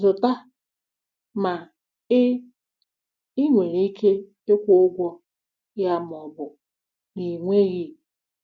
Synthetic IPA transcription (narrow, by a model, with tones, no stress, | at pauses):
zʊ˨ta˦ | ma˨˦ | i˦ŋʷe˨ɾi˦i˦kʰe˦ | e˦kʷʊ˦ʊ˦ɡʷɔ˦ | ja˦m˨ɔ˨bʊ˨ | ni˨ŋʷe˦ɣi˦